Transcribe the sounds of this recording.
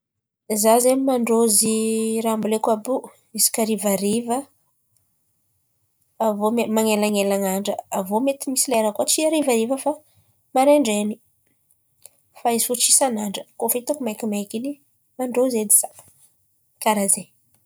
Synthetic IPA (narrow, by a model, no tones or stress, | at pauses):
zazeimaɳɖ͡ʐoziɾaambulekabu | izi̥kaɾivaɾivə | vomemaŋelaŋelaŋaɳɖ͡ʐəavomet̪imisilaeɾakuat͡ʃiaɾivaɾivəfa | maɾeɳɖ͡ʐeni | faisut͡ʃi̥sanaɳɖ͡ʐə̥kofit̪akumajkimajkini | maɳɖ͡ʐozed̪i̥z̥a | kaɾaze